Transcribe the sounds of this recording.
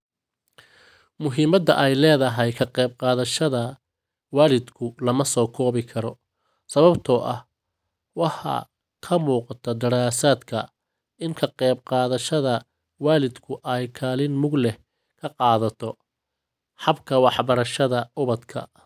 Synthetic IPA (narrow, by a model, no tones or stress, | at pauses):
mʊɦiːmɐd̪ɐʔɛjlɛːðɐɦɛjkʰɐqɛːbqɑːðɐʃɐðɐ | waːlɪd̪kʰʊlɐmɐsɔːkʰɔːβɪkʰɐɾɔ | sɐβɐbt̪ʰɔʔɐh | wɑħɑ̰ | kʰɐmuːqɑt̪ʰɐd̪ɐɾaːsaːd̪kʰɐ | ɪŋkʰɐqɛːbqɑːðɐʃɐðɐ | waːlɪd̪kʰʊʔɛjkʰaːlɪnmʊɡlɛh | kʰɐqɑːðɐt̪ʰɔ | ħɑbkʰɐwɑħbɐɾɐʃɐðɐʊβɐd̪kʰɐ̰